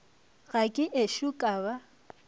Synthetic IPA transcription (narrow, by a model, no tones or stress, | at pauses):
ɣakʼɪʔeʃʊkʼaːba